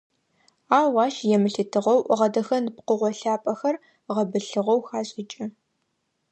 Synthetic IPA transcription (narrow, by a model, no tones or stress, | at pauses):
aːwaːʃjɛmɨɬɨtʰɨʁɐwʔʁɐdɐxɐnpqəʁʷɔɬaːpʼɐxɐr | ʁɐbɨɬɨʁɐwxaːɕʼɪt͡ʃʼɪ